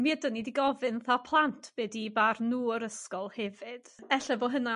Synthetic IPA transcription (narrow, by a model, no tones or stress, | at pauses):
miədənidiɡɔvɨnθapʰlˠantʰb̥ɛːdibarnuːəɾəskɔlˠhɛvɨd̥ɛɬɛboːɦəna